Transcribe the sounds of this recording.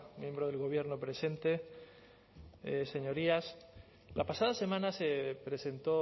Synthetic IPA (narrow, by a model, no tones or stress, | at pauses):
mjẽ̞mbɾoð̞e̞lɣo̞β̞je̞ɾnopɾe̞se̞nt̪e | se̞ɲo̞ɾias | lapasaðase̞mãnasepɾe̞se̞nt̪o̞